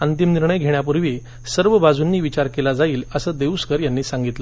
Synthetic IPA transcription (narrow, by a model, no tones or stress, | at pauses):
ənt̪imniɾɳəjɡʱeɳjap̬uɾʋi | səɾʋəbad͡zunːiːʋit͡ɕaɾkelad͡zaiːləsəd̪eʋuskəɾjanːiːsãŋɡit̪lə